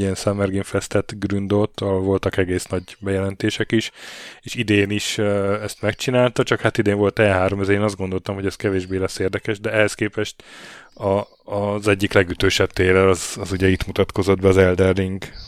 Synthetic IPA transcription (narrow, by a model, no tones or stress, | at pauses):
iɛnsɛmɛrɡiɱfɛst̪ɛt̪ɡrynd̪ot̪ːɒɦolvo̞lt̪ɒkɛɡeːsnɒɟbɛjɛlɛnt̪eːʃɛkiʃeːʃid̪eːniʃøɛst̪mɛk̚t͡ʃinaːlt̪ɒt͡ʃɒkhat̪id̪eːɱvo̞lt̪ɛɦaːɾo̞mɛzeːnɒzd̪ɡo̞nd̪o̞lt̪ɒmɦo̞ɟɛskɛveːʒbeːlɛsːeːrd̪ɛkɛʃd̪ɛɛhɛskeːpɛʃt̪ɒː | zɛɟːiklɛɡyt̪øːʃɛb̚t̪eːlɛlɒzɒzuɟɛit̪mut̪ɒt̪ko̞zo̞d̪̚bɛɒzɛld̪ɛrd̪iŋɡ